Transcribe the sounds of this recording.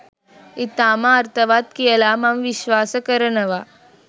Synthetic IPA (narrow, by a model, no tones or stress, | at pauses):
it̪aːmaɐɾt̪ɐʋaːt̪kijɐlaːmɐmʋiʃʋaːsɐkɐɾɐnɐʋaː